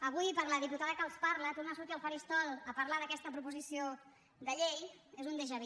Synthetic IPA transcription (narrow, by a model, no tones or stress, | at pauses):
əβ̞ujpəɾləðiput̪aðəkalˠspaɾlət̪urnasuɾt̪iəlˠfaɾist̪ɔlˠəpəɾlaðəkɛst̪əpɾupuzisio | ðəʎejezund̪eʒəβi